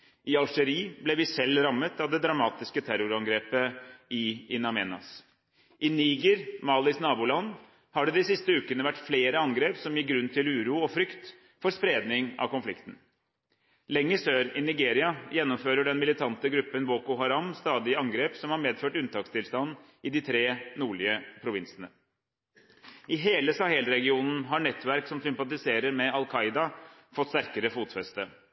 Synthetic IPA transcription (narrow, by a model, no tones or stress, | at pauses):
ʔɪɑlʂəɾiːblɛʋɪsɛlːɾɑmːət̪ɑʋd̪ɛd̪ɾɑmɑːt̪ɪskət̪ʰæɾʊɾɑŋɡɾeːpəʔɪɪnɑmɛ̰ːnɑ̰s | ʔɪniɡəɾmɑːlɪsnɑːbuːlɑnː | hɑɖɛd̪ɪsɪst̪əʉːkənəʋæʈːfleːɾəɑŋɡɾeːpsɔmjɪɡɾʉnːt̪ʰɪlʉːɾuːɔfɾʏkt̪ | fɔɾspɾeːd̪nɪŋɑ̰ʋkʊnflɪ̰kt̪n̩ | lɛŋːəsøːɾɪnɪɡeːɾɪɑjɛnːɔmføːɾəɖɛnmɪlɪt̪ʰɑnt̪əɡɾʉpːənʋoːkʊɦɑɾɑmst̪ɑːd̪ɪɑŋɡɾeːpsɔmhɑɾmeːd̪føːʈʉnt̪ʰɑːkst̪ɪlst̪ɑnn̩ | ɪd̪ɪt̪ʰɾeːnuːɭɪəpʰɾʊʋɪnsənə | ʔɪɦeːləsɑhɛlɾɛɡɪuːnn̩ɦɑɳɛt̪ːʋæɾksɔmsʏmpɑt̪̬ɪseːɾəɾmɛɑlˠkʰɑɪd̪ɑfɔt̪st̪æɾkəɾəfuːt̪fɛst̪ə